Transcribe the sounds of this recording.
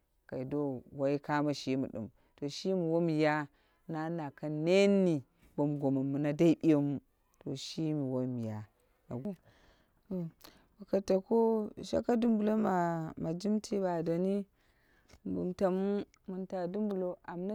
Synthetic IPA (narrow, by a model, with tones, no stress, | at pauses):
ka˨i˨do˦wa˦i˦ka˦ma˦ʃi˦mṵ˨ɗṵ˨m | to˨ʃi˦mi˨wo˦mi˨ja˦ | na˦na˨ka˦ne˦nːi˨ | bo˨m˨ɡo˨ma˨mːu˨na˦da˦i˦ɓi˦jo˦mu˦ | to˨ʃi˦mi˨wo˦mi˨ja˨ | na̰˨ɡu˨ | to˨ | ba˨ka˨ta˨ko˦ʃa̰˦ka˦du˦mbu˨lo˦ma˨ma˨d͡ʒi˦mtʰi˦ba˨do˨ni˦ | bṵ˨mta˨mu˦ | mu˨nta˨du˦mbu˨lo˦a˨mna˦